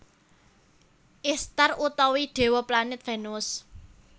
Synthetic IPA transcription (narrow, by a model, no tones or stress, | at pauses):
ʔɪst̪arʔut̪ɔwiɖ̪̥e̤wɔplanɪt̪̚fenʊs